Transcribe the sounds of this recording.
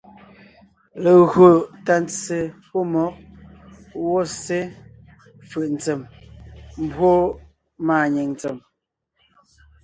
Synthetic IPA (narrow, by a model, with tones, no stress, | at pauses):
le˨ɣo˨ta˨n˦t͡se˨po˦mɔ˨˦k̚ | wɔ˦se˦ | fʉ˨ʔn̩˨t͡se˨m | m˦bwo˦ | maː˨ɲe˨ŋn˨t͡se˨m